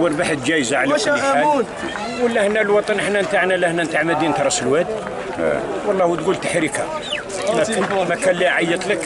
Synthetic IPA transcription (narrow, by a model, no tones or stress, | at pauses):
wəɾbaħəd̪d͡ʒæjzaʕlalu | wəlːæhnælwɑt̪ˤɑnʔəħnænt̪aʕnælæhnænt̪aʕməd̪int̪ɾˤɑsəlwæd̪ | wɑlˤːɑhut̪ɡult̪ḁħɾika | mæmækænlːiʕɑjːət̪ˤlək